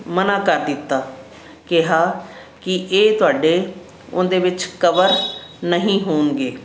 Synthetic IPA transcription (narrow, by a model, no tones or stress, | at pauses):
mənãːkəɾd̪ɪt̪ːaː | kɪɦaː | kɪʔeːt̪ʊaːɖeː | ʊ̰̃nd̪eːʋɪt͡ʃkəʋəɾnəɦĩːɦoːnɡeː